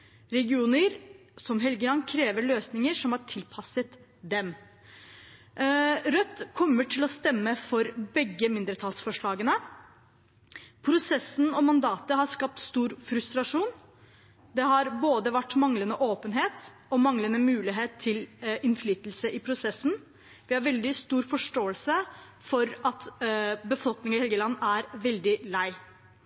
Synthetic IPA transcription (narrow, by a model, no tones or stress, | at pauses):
ɾɛɡɪuːnɪɾsɔmɦɛlɡəlɑnkʰɾeːʋəɭøːsnɪŋəʂɔmhɑʈʰɪlpʰɑsət̪ | d̪ɛm | ɾœt̪ːkʰɔmːəʈʰɪlɔst̪ɛmːəfɔɾbɛɡːəmɪnd̪ɾət̪ʰɑlsfɔʂɭɑːɡənə | pʰɾʊsɛsnɔmɑnd̪ɑːt̪əɦɑʂkɑp̚t̪st̪uːɾfɾʉst̪ɾɑʂuːn | d̪ɛɦɑɾboːd̪əʋæʈːmɑŋlənəʔoːpənɦeːt̪ | ɔmɑŋlənəmʉːlɪɦeːt̪ʰːɪlɪnflyːt̪lsəʔɪpʰɾʊsɛsːn̩ | ʋɪhɑɾʋɛld̪ɪst̪uːɾfɔʂʈoːəlsə | fɔɾʔɑt̪bəfɔlknɪŋɑɪhɛlɡəlɑnːæɾʋɛld̪ɪlæɪ